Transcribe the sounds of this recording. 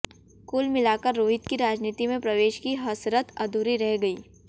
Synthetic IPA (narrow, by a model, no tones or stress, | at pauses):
kuːlmɪlaːkəɾːoːɦɪt̪kiɾaːd͡ʒniːt̪imẽpɾɐʋeːʃkiɦɐsɾət̪ɐd̪ʱuːɾiɾɛɦɡɐiː